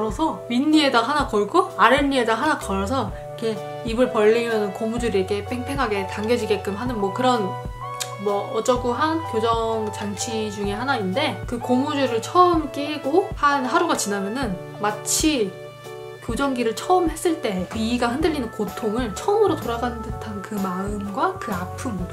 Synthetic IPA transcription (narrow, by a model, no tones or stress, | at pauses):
ɾʌsʰʌminːie̞daɦanakʌɭɡoaɾɯnɲie̞daɦanakʌɾʌsʰʌ | ikʰe̞ | ibɯɭpʌʎːimjʌnɯnkomud͡ʑuɾiekʰe̞pʰeŋpʰe̞ŋɦaɡe̞taŋɡjʌd͡ʑiɡe̞k͈ɯmɦanɯnmwʌkɯɾʌn | mwʌːt͡ɕ͈ʌɡuɦankjod͡ʑʌŋt͡ɕaŋt͡ɕʰid͡ʑuŋe̞ɦanainde̞kɯkomud͡ʑuɾɯɭt͡ɕʰʌɯmk͈iɭɡohanɦaɾuɡat͡ɕinamjʌnɯn | mat͡ɕʰi | kod͡ʑʌŋɡiɾɯɭt͡ɕʰʌɯmhe̞s͈ɯɭt͈e̞kɯiɡahɯndɯʎːinɯnkotʰoŋɯɭt͡ɕʰʌɯmɯɾotoɾaɡanndɯtʰankɯmaɯmɡwakɯapʰɯmbudo